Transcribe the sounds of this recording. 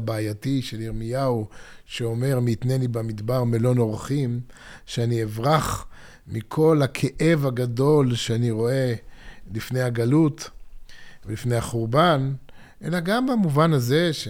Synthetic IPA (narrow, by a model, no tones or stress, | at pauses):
baajatiʃeliʁmijau | ʃeo̞me̞ʁmiːt̪nenibamid̪baʁmelo̞no̞ʁaχim | ʃeanievʁaχ | mikʰo̞lakʰeʔe̞vaɡad̪o̞lʃeaniʁo̞e̞lifne̞jhaɡalut | velifne̞jhaχuʁban | ʔe̞̰laɡambamuvanaze̞ʃ